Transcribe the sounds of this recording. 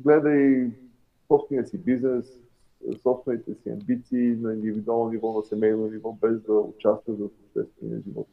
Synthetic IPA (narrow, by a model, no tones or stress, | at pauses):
ɡlɛd̪əi | sɔpst̪vɛniəsibiznɛs | sɔpst̪vɛnit̪ɛsiɐ̰mbit̪siːnɐĩnd̪ivid̪ualˠnonivɔnɐsɛmɛjnonivɔbɛzd̪ɐʊ̰t͡ʃast̪vət̪zəsopʃt̪ɛ̰st̪vɛnḭə̰ʒivɔ̰t̪